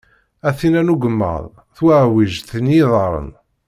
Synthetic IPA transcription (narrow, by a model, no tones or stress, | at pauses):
æθinænuɡəmːə̰ðˤ | θwəʕwiʒθənjiðˤɑɾˤə̰n